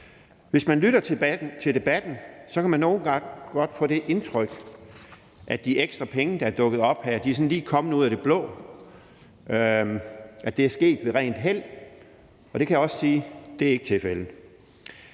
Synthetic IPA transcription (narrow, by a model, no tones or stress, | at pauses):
ʋe̝smænlyɾ̥ɐt͡sʰet͡sʰe̝ld̥e̝b̥æd̥n̩sɒ̽kʰæmænːo̝ːnɡ̥ɑ̈ŋ̰ɡ̥ɒ̽d̥fɔ̰ːd̥e̝ʔe̝nt͡sʰʁœɡ̥ | ʔæ̥d̥iʔeɡ̥sd̥ʁɐpʰeŋəd̥ɑ̈æɐd̥ɔ̽ɡ̥ð̞̩ˠɒ̽b̥hæɐd̥iæɐsɒ̽nliːkʰɒ̽mn̩ˠuð̰ˠɐd̥e̝b̥lɔ̰̽ː | æd̥e̝æɐsɡ̥e̝̰ːd̥ʋe̝ʁɛ̰ːnd̥ɦel̰ | ɒ̽d̥e̝kʰæjæɒ̽ssiːd̥e̝æe̝ɡ̥ə̥t͡sʰe̝lfeln̩